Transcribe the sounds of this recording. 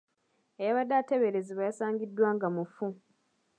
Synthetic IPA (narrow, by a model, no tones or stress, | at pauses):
ejaβadːateβe̞ɾeziβajasaːɲɟidːwaːŋɡamufu